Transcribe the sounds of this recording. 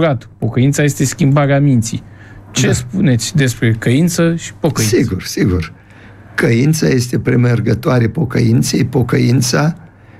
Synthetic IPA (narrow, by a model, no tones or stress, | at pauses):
ɾat̪po̞kəint̪saje̞st̪e̞skʲimbaɾeamint̪sḭj | t͡ʃespune̞t̪sʲd̪e̞spɾe̞kəint̪səʃi̥po̞kəisiɡursiɡur | kəjint̪saje̞st̪e̞pɾemerɡət̪oaɾepo̞kəint̪sejpo̞kəint̪sa